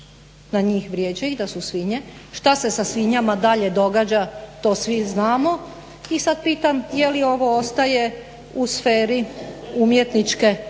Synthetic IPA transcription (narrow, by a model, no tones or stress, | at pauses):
naɲiːxʋɾjeːd͡ʑaiɣd̪asusʋiɲeʃt̪ase̞sasʋiɲamad̪aʎe̞d̪o̞ɡad͡ʑat̪o̞ːsʋiznaːmo̞ | isad̪̚piːt̪amjelio̞ʋo̞ost̪aje̞ | usfeːɾiumjet̪nit͡ʃke̞